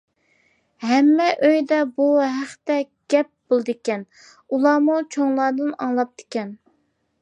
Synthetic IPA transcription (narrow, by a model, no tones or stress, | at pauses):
hɛmːɛʔøjd̪ɛbuɦæχt̪ɛ | ɡ̥ʲɛp̚b̥olˠɨd̪ɪkʲɛn | ulˠɑːmut͡ʃʰoŋlˠɑːd̪ɨnɑŋlˠɑp̚t̪ɪ̥kʲɛn